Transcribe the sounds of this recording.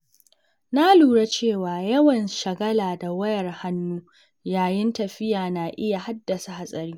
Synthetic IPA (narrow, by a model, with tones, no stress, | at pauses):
na˦luː˨ɾa˦t͡ʃeː˦˨waː˨jɐ˦wɐ˨nʃɐ˨ɡɐ˦laː˨da˨wɐ˦jɐ˨rha˦nːuː˦ | jaː˨jɪ˦ntɐ˨ɸɪ˦jaː˨na˨ʔɪ˦ja˨ha˦dːɐ˨sa˨ha˨sʼɐ˨ɾiː˦